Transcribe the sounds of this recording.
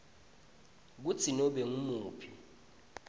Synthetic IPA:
k̬ut͡sʰinɔɓeŋumuːpʰi

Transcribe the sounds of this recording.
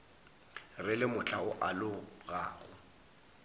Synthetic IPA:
rɪlɪmʊt͡ɬʰaʊʔalʊɣaːɣʊ

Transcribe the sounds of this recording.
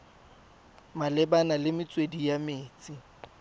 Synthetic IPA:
malɛbanalɪmɪt͡sʼwedijameːt͡sʼi

